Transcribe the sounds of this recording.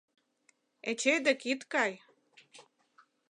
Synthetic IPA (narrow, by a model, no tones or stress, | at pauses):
et͡ɕejd̪ĕkit̪kɑj